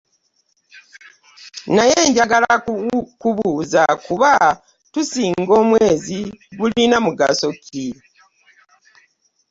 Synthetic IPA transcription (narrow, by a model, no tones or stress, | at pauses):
najeːɲɟaɡalakuβuːzakuβa | tusiːŋɡo̞ːmweːziɡulinamuɡa̰so̞kʰi